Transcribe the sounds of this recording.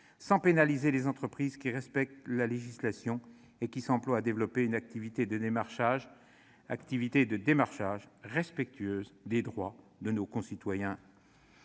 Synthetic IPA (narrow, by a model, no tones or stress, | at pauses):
sɑ̃penalizelezɑ̃t̪χəpχizkʲiʁɛspɛk̚t̪laleʒislasjɔ̃ | ekʲisɑ̃plwaːd̪evlɔpeynak̚t̪ivit̪ed̪əd̪emaʁʃaʒ | a̰kt̪ivit̪ed̪əd̪emaʁʃaʒʁɛspɛk̚t̪ʰɥøːzd̪ed̪ʁwa | d̪ənokɔ̃sit̪wajɛ̃